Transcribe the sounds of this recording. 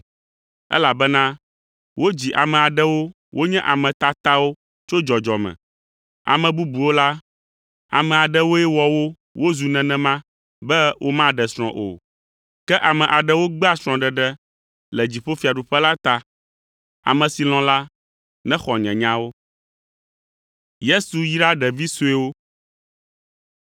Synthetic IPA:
ɛ̰˦la˨bɛ˦nã˦ | wo˦d͡ʑi˨ʔa˨mɛ̃˨a˨ɖɛ˦wo˦ | wʔo˦ɲɛ̃˦ʔa˨mɛ̃˨t̪a˦t̪a˦wo˦ | t͡ʃo˦d͡ʒɔ˨d͡ʒɔ˨mɛ̰̃˨ | a̰˨mɛ̃˨bu˦bu˨wo˦la˦ | a̰˨mɛ̃˨a˨ɖɛ˦wo˦ɛ˦wɔ˨wo˦ | wo˦zu˨nɛ̃˨nɛ̃˨mã˦ | bɛ˦wʔo˦mã˦ɖɛ˨sɾ̃ɔ̰̃˨ʔo̰˨ | kɛ˦ʔa˨mɛ̃˨ʔa˨ɖɛ˦wo˦ɡ͡bɛ˦a˦sɾ̃ɔ̃˨ɖɛ˨ɖɛ˦ | lɛ˨d͡ʑi˨ɸo˦fi˨a˨ɖu˨ɸɛ˦la˦t̪a˨ | a̰˨mɛ̃˨si˨l̃ɔ̃˦la˦ | nɛ̃˦xɔ˨ɲɛ̰̃˨ɲã˦wo˦ | je˦su˨ji˦ɖa˦ɖɛ˨vi˦su˦e˦wo˦

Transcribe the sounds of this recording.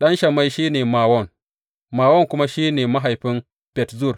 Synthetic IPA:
ɗɐ˦nʃa˨ma˦jʃiː˦neː˨maː˨wo˦˨n | maː˨wo˦nku˦ma˦ʃi˦neː˨ma˦ɦa˨jɸi˦n | pʲe˨tzu˦˨ɾ

